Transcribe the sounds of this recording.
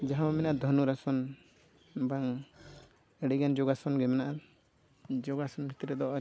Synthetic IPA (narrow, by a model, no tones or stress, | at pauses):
d͡ʒaɦãwamɛnaʔad̪ʱɔnuɾasɔn | baŋ | ɛɽɛɡand͡ʒɔɡasɔnɡɛmɛnaʔa | d͡ʒɔɡasɔnbʱit̪ɾɛd̪ɔʔɔ